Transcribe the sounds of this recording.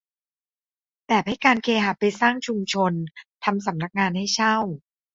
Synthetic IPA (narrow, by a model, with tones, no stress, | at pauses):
pɛː˨˩pha˥˩jkaː˧nkʰeː˧ɦa˨˩pa˧jsaː˥˩ŋt͡ɕʰu˧mt͡ɕʰo˧nt̪ʰa˧msa˨˩˦mna˦˥k̚ŋaː˧nha˥˩jt͡ɕʰa˥˩w